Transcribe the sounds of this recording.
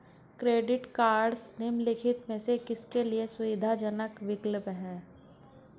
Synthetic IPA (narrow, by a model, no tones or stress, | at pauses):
kɾeːɖɪʈkaːɾɖsnɪmlɪkʰɪt̪mẽsekɪskeliesʊʋɪd̪ʱad͡ʒənəkʋɪkləpɦɛː